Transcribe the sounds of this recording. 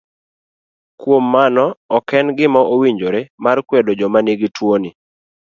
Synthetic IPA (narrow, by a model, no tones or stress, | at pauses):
kwomːanɔɔkɛnɡɪmɔʔowiɲd͡ʒoɾemarkwedod͡ʒɔmaniɡɪtwoni